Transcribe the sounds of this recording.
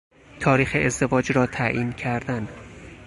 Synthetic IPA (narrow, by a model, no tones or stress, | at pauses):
t̪ʰɒːɾiːxeʔezd̪e̞vɒːd͡ʒɾɒːt̪ʰæʔiːncʰæɾd̪æn